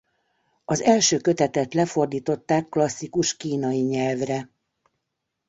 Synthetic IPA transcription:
ɒzɛlʃøːkø̞t̪ɛt̪ɛt̪lɛfo̞rd̪iːt̪o̞t̪ːaːkːlɒsːikuʃkiːnɒjiɲɛlvrɛ

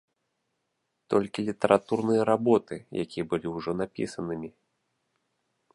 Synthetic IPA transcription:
t̪ɔlʲkʲilʲit̪ɐɾʔat̪urnɨjɐɾabɔt̪ɨja̰kʲiɐbɨlʲiwʐɔnapʲḭsɐnɨmʲi

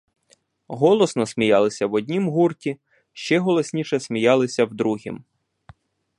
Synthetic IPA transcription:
ɦɔlˠɔsnɔsʲmʲijɑlˠɪsʲɐwɔd̪ʲnʲimɦurtʲi | ʃt͡ʃɛɦɔlˠɔsʲnʲiʃɛsmʲijɑlˠɪsʲɐwd̪ɾuɦʲḭm

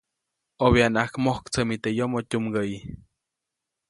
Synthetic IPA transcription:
oβeanakmohkt͡səmit̪ejomotʲumɡəi

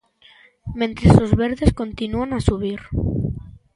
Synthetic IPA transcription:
mẽnt̪ɾesozβeɾðeskõnt̪inuanasuβ̞iɾ

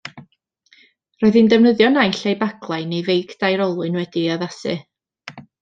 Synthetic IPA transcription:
rɔːɨðɨndəvnəðjɔnajɬejbaɡlˠajnejvejɡdajɾɔlˠʊɨnwɛdiaðasɨ̰

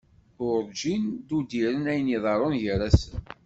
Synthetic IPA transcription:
ʊɾd͡ʒind̪ud̪iɾənæjniðˤɑɾˤonjəɾæsən

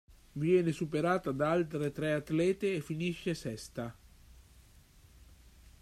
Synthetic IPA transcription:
vjɛːnesupeɾaːt̪ad̪aalt̪ɾet̪ɾɛat̪lɛːt̪eːfːiniʃːesɛst̪a

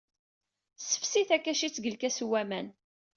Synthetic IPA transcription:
sə̥fsiθækːæʃit͡sːɡəlkæswæmæn

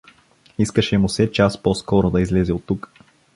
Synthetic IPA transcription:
iskəʃɛmʊsɛt͡ʃasposkɔɾod̪ɐizlɛzɛot̪ːuk

